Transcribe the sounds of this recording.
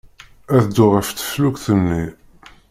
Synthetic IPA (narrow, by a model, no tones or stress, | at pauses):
æðd̪ːʊʁəft͡s̪ːə̥flukθənːi